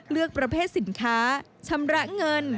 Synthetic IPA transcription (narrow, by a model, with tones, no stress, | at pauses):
lɯ˥˩ək̚pɾa˧pʰeː˥˩t̪̚si˩˦nkʰaː˦˥ | t͡ɕʰa˧˥mɾa˦˥ŋɤ˧n